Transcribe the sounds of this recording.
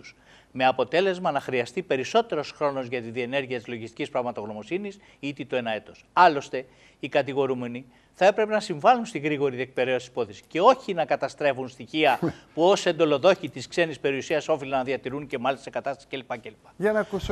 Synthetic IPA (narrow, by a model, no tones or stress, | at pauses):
s | me̞ɐpo̞t̪e̞le̞zmɐnɐxɾiɐst̪ipe̞ɾiso̞t̪e̞ɾo̞sxɾo̞no̞zʝɐt̪iðie̞ne̞ɾʝiɐt̪izlo̞ʝist̪icispɾɐɣmɐt̪o̞ɣno̞mo̞sinis | it̪it̪oe̞nɐe̞t̪o̞sɐlo̞st̪e̞ | ikɐt̪iɣo̞ɾume̞ni | θɐe̞pɾe̞pe̞nɐsiɱvɐlunst̪iɣɾiɣo̞ɾiðiek̚pe̞ɾeosisi̥po̞θisi̥ce̞o̞çinɐkɐt̪ɐst̪ɾe̞vunst̪içiɐpuose̞nd̪o̞lo̞ðo̞çit̪iskse̞nispe̞ɾiusiɐso̞filɐnɐðiɐt̪iɾunce̞mɐlist̪ɐsekɐt̪ɐst̪ɐsi̥ce̞lipɐce̞lipɐ̥ɐnɐkus